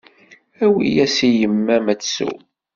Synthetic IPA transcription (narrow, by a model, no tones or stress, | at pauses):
æwḭjæsijəmːæmæt͡sːsṵ